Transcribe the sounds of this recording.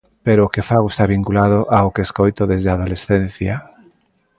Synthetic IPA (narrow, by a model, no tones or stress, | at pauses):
peɾoːkefaɣoest̪aβiŋkulaðʊʔaokeeskojt̪oðezðeaðolesθen̟θja